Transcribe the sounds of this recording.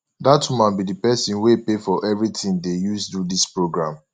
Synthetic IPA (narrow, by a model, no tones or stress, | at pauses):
datumãnbidipɛsĩnwepefɔʔɛvɹitĩŋdejusdudispɹoɡɹãm